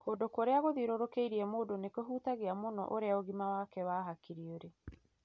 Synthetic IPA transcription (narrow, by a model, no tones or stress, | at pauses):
koːndokoɾeaɣoðiɾoɾokeiɾiɛmoːdonekoɦuːtaɣeamonɔ̰ʔoɾeaoɣimawakɛwaːɦakiɾioɾe